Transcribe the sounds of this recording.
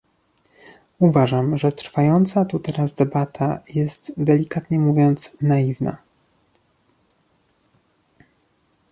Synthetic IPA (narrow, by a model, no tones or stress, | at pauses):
uvaʐamʐɛt̪ɾfajɔnt̪sat̪ut̪ɛɾazd̪ɛbat̪ʰajɛst̪d̪ɛlʲikat̪ɲɛmuvʲjɔnt̪snaivna̰